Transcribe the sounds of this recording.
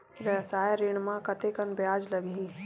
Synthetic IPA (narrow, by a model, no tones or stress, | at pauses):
ʋəsaːjaɾɪɳmãkɐt̪ekənbjaːd͡ʒlɐɡɦĩː